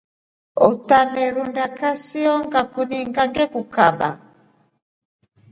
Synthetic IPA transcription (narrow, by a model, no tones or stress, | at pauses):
ɔtamɛɾundakasiɔŋɡakuniŋɡaŋɡɛkukaba̰